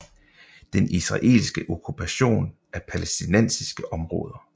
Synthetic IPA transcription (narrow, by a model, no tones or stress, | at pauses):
d̥enisʁɑ̈ʔe̝̰lsɡ̥əʔo̝kʰupʰæɕo̝̰ːn | æɐpʰælesd̥inen̰sisɡ̥əʔɒ̽mʁɔ̽ːð̞ˠɐ